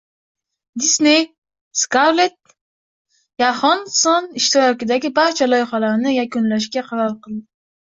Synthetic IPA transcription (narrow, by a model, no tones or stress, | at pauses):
d̪isnej | skawlet̪̚ | jahɒnsɒnɪʃt̪ɪɾɒkʲɪd̪aɡʲɪbaɾt͡ʃʰalɒjχalaɾnɪjakʊnlaʃɡʲaqʰɑɾalqɨlˠd̪ɪ